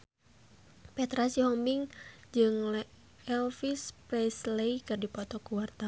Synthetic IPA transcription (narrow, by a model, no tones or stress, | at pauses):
pɛt̪ɾasihɔmiŋd͡ʒɨŋlɛ | ɛlfispɾɛsleikɨrdipɔt̪ɔkuwart̪a